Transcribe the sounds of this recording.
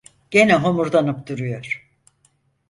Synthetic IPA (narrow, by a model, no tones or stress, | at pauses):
ɟ̥enɛɦomuɾd̪anɯpd̪uɾujoɾ̥